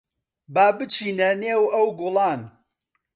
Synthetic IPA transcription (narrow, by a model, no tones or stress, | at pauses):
baːbɨt͡ʃʰiːnɐneːwɐwɡʊlˠɑːn